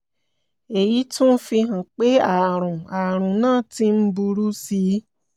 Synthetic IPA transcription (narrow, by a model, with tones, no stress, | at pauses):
e˨ji˨˦tũ˦n̩˦fi˧ɦã˨k͡pe˦a˦˨ɾ̃ũ˨a˨ɾ̃ũ˨nãː˦˨ti˧˦m̩˦bu˧ɾu˦si˧˦